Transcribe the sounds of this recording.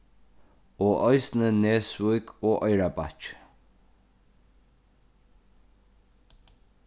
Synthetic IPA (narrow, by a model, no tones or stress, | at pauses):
oːʔɔjsnəneːsvujkoːʔɔjɹapa̰t͡ʃ